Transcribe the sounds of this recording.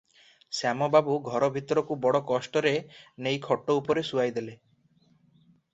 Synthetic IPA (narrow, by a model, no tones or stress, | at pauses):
samɔbabuɡʱɔɾɔbʱit̪ɔɾɔkubɔɽɔkɔsʈɔɾenejkʰɔʈːɔupɔɾesuajd̪ele